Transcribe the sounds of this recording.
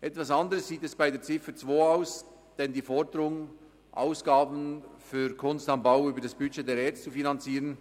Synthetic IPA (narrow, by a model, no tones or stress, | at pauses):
ʔɛtvasɑndəɾəssiːtɛsb̥aɪdeːt͡sɪfət͡svoːaʊs | d̥ɛndiːfɔɹdəɾʊŋ | ʔa̰ʊsɡ̥aːbn̩fyːɾkʰʊnstɑnbaʊyːbəɾdasb̥yt͡ʃedeːɾɛɐt͡sst͡sufinɑnt͡siːʁən